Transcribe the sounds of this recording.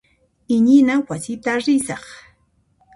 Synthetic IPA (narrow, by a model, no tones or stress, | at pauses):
ɪɲɪnawasɪt̪aɾɪsɑχ